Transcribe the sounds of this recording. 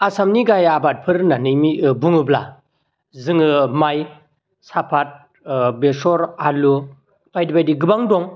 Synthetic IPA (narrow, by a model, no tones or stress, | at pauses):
asamniɡajabat̚pʰɯɾnanɯjmiɯbuŋɯbla̰ | zɯŋɯmaj | sapʰat̚ | besɔɾalu | pʰajdibajdiɡɯbaŋdɔŋ